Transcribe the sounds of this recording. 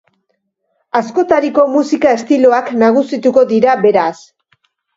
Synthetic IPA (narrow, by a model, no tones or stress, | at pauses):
asko̞t̪aɾiko̞musikae̞st̪ilo̞aknaɣ̞usit̪uko̞ðiɾabe̞ɾas